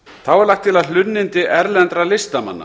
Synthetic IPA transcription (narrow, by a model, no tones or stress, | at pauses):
θawɛɾlaxkt̪ʰːɪlaðllʏnːɪnt̪ɪʔɛɾlɛnt̪ɾalɪst̪ama̰nːa̰